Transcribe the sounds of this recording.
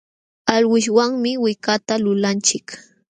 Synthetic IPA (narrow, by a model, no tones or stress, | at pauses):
alɢʊʃ̬waŋmɪwɪkat̪alʊlant͡ʃɪk